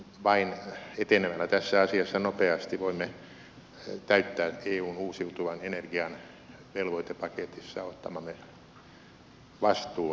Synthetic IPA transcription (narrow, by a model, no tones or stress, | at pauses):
ʋɑinet̪enemælːæt̪æsːæɑsiɑsːɑnopeɑst̪iʋoimːe | t̪æyt̪ːæːeːuːnuːsiut̪uʋɑnenerɡiɑn | ʋelʋoit̪epɑket̪isːɑ̰ot̪ːɑmɑmːe | ʋɑst̪uː